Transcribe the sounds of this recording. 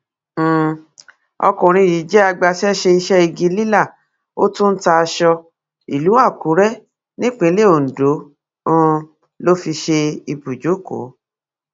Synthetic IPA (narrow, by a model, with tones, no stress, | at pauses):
ɔ̰˧kũ˨ɾ̃ĩ˧˨ji˨˦d͡ʒɛ˦a˧ɡ͡ba˧sɛ˦ʃe˧i˧ʃɛ˦i˧ɡĩ˧˦li˦la˦˨ | o˦tũ˦n̩˦ta˧ʃɔ˧ | i˨lu˨˦wa˦˨ku˨˦ɾɛ˦ | nĩ˦k͡pĩ˨˧˦le˦o˨n̩˨dõ˨˦˧ | lo˦fi˧ʃe˧i˧bu˨d͡ʒo˨˦ko̰˨˦